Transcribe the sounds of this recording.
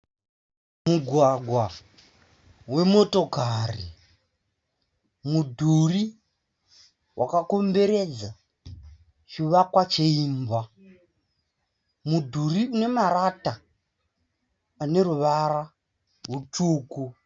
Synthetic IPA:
muɡʱwaɡʱwa | we̞mo̞to̞kari | mudʱuri | wʔa̰kako̞mbe̞ɾe̞d͡za | t͡ʃiʋakwat͡ʃeiːmba | mudʱuriune̞maɾata | ne̞ruʋaɾa | rutuːku

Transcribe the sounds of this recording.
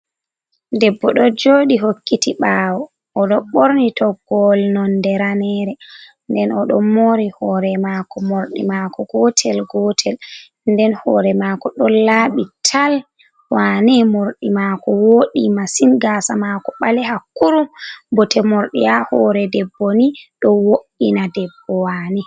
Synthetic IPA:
dɛbːɔɗɔd͡ʒoɗiɦokːitiɓaːwɔː | ɗɔɓoɾnitɔɡ̥ɔlnɔndɛɾanɛɾɛ | ndɛnɔɗɔmoɾihɔɾɛmakɔmoɾɗḭmakʰɔɡɔtʰɛlɡɔtʰɛl | ndɛnhɔ̰ːɾɛmakɔɗɔlaːɓitʰal | wanɛmoɾɗimakɔwoɗimasinɡaːsamakɔɓalɛhakːuɾubɔtɛmoɾɗḭjahɔɾɛdɛbːoniɗɔwoʔinadɛbːɔwani

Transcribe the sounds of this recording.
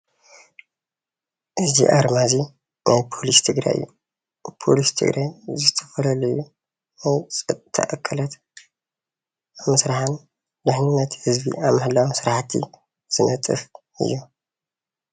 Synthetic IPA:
ʔɨzḭʔaɾmazi | nʔajpʰo̞list̪ʰɨɡɾa̰jɨ̰jːu | pʰo̞̰list̪ʰɨ̰ɡɾʔajzɨt̪ʰɐ̥fɐlɐluju | ɐwt͡sʼɨt̪ʰːɐ̰ʔɐkʰːɐlɐt̪ | amɨsɾaħan | d̪ɨħninɐt̪ʰhɨzbḭʔaβmɐhlawmsɨɾaħt̪ʰḭ | z̥ɨnɐt̪ʼɨ̰f | ɨ̰jːu

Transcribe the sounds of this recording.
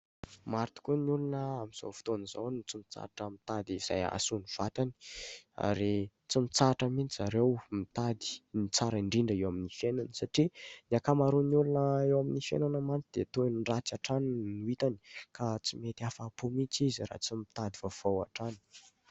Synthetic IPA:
maɾt̪u̥kuniulunəamiz̥o̰wfi̥t̪onizawnut͡simit͡sa̰ʈ͡ʂəmit̪ad̪iz̥a̰ja̰suniv̥at̪ani̥a̰ɾi | t͡simit͡saʈ͡ʂaminzaɾewmit̪ad̪i̥nit͡saɾiɳɖ͡ʐiɳɖ͡ʐaewaminifenansaʈ͡ʂiniakamaɾunulunəewaminifḛnanamant͡sid̪̥et̪onɖ͡ʐat͡saʈ͡ʂaninuit̪ani̥kat͡simet̪iafapumit͡sizɾa̰t͡simit̪ad̪ivav̥awa̰ʈ͡ʂani̥

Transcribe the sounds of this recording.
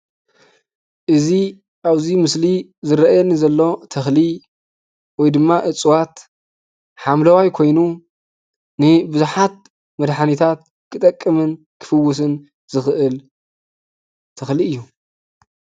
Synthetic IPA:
ʔɨzi | ʔaβzimɨsli | zɨɾɐʔajɛnizɐlːo̞t̪ʰɐxli | wɔjd̪ɨmːaʔɨt͡sʼwat̪ | ħamlɐwajkʰo̞jnu | nɨbɨzuħat̪̚ | mɐd̪ħanit̪ʰat̪̚ | kʰɨt̪ʼɐkʼːɨmɨn | kʰɨ̥fɨwːʊs̬ɨn | z̥ɨxʔɨl | t̪ʰɐxliɨjːu

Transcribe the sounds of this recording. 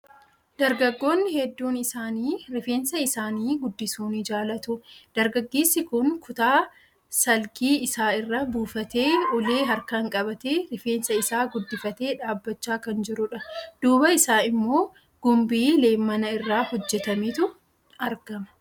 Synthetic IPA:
d̪̥ɐɾɡɐɡːo̞ːnːɪhɛd̪ːuːnɪsaːniːɾɪfe̞ːnsɐɪsaːniːɡʊd̪ːɪsuːnid͡ʒaːlɐt̪ʊd̪̥ɐɾɡɐɡːeːsːɪkʊŋkʰʊt̪aː | sɐlkiːɪsaːɪrːɐbuːfɐt̪e̞ːɔleːɦɐɾkɐŋkʼɐbɐt̪eːɾɪfe̞ːnsɐɪsaːɡʊd̪ːɪfɐt̪e̞ːᶑaːbːɐt͡ʃːaːkɐnd͡ʒɪɾʊᶑɐd̪̥uːbɐɪsaːɪmːo̞ː | ɡ̥ʊmbiːle̞ːmːɐnɐɪrːaːhɔd͡ʒːɛt̪ɐmiːt̪ʊ | ɐɾɡ̥ɐmɐ̥

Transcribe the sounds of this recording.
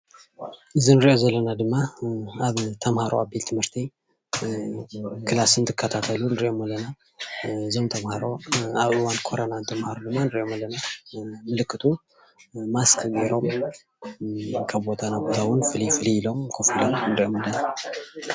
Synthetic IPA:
ʔɨzɨnɾiʔo̞zɐlːənad̪ɨmːaaβt̪ʰɐmhaɾo̰abelt̪ʰɨmhɨɾt̪ʰi | kʰɨlasɨnt̪ʰɨkʰːət̪ʰat̪ʰəlunɨɾiʔo̞malːɐna | ɨzo̞mt̪ʰɐmhaɾo̞aβɨwankʰo̞ɾonant̪ʰɐmhaɾod̪ɨmːanɾiʔo̞malːɐnamɨlɨkːɨt̪ʰu | maskʰɐɡiɾo̞m | kʰɐbo̞t̪ʰanabo̞t̪ʰawɨnfɨlifɨliilo̞mkʰofilomɨnɾiʔo̞mɐlːəna

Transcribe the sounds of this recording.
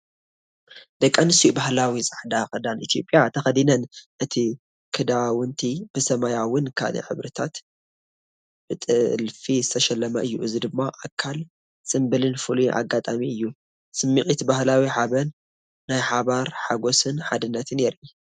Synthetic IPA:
d̪ɐkʼːanɨsiubahlawisʼaħd̪akɨd̪anit̪ʰijo̞pʼːjat̪ʰɐxɐd̪inɐnʔɨt̪ʰi | kʰɨd̪awɨnt̪ʰib̥ɨsɐmajawɨnkʰa̰lɐ̰ħɨ̰βɾɨt̪ʰat̪ | b̥ɨt̪ʼɨlfizɨt̪ʰɐʃɛlːɐmɐʔɨjːuɨzid̪ɨmːaʔakʰːal | sʼɨmbɨlɨnfɨluʔa̰ɡːat̪ʼamiɨjːu | sɨmːixʼit̪bahlawiħaβɐnː | ajħaβaɾħaɡo̞sɨnħad̪ɨnːɐt̪ʰne̞ɾi

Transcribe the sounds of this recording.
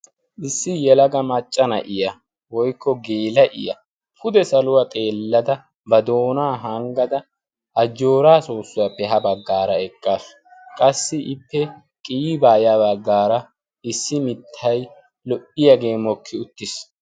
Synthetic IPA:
ʔɪsːɪjɛlɐɡɐmɐt͡ʃʼːɐnɐ̰ʔɪjɐ | wɔjkːɔɡeːlɐʔɪ̰jɐ̰ | pʰʊd̪ɛsɐlʊwɐt̪ʼe̞ːlːɐd̪ɐ | bɐd̪o̞ːnaːɦɐŋɡɐd̪ɐ | ʔɐd͡ʒːo̞ːɾaːso̞ːsːʊwɐpːɛɦɐbɐɡːaːɾɐɛkʼːaːsʊ̥kʼɐsːɪʔɪpːɛ | kʼiːbaːjabɐɡːaːɾɐ | ɪsːɪmɪt̪ʰːɐj | lɔpʼːɪjɐɡe̞ːmɔkʰːɪʊt̪ːɪs

